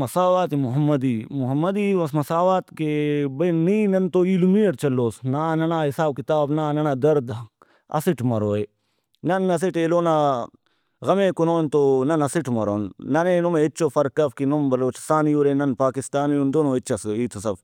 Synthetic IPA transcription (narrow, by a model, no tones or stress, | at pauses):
mɐsaːʋaːt̪imʊɦɐmːɐd̪iːmʊɦɐmːɐd̪iːʋɐsmɐsaːʋaːt̪kebɐjniːnɐnt̪oːilumiɐʈt͡ʃɐloːsnaːnɐnaːɦɪsaːbkɪt̪aːbnaːnɐnaːd̪ɐɾd̪ | ɐ̰siʈmɐɾoːe | nɐnːɐs̬iʈeːloːnaː | ɣɐmẽːkunoːnt̪oːnɐnɐsɪʈmɐɾoːnːɐneːnumeːɪtːt͡ʃoːfɐɾkːɐfkinombɐloːt͡ʃst̪aːnijuːɾeːnɐnpaːkɪst̪aːniund̪oːnoːɪtːt͡ʃʰɐsiːt̪ʰosɐf